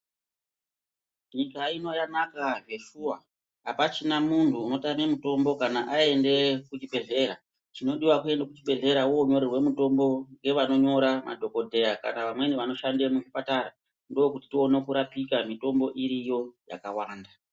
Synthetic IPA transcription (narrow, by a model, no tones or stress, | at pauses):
ɲikaino̞janakaʐe̞ʃuwa | apat͡ʃinamuntʰuːno̞tamemuto̞mbo̞kanaʔae̞nde̞kut͡ʃibʱe̞ɮe̞ɾa | t͡ʃino̞ɗiwakue̞ndekut͡ʃiɓe̞ɮe̞ɾawoɲo̞ɾerwe̞muto̞mbo̞ŋɡe̞ʋano̞ɲo̞ɾamʔa̰dʱo̞ko̞dʱe̞aka̰naʋamwe̞niʋano̞ʃande̞muʐipataɾa | ndo̞okuti̥tio̞ne̞kuɾapikamito̞mbo̞ʔiɾijo̞ja̰kawaːnda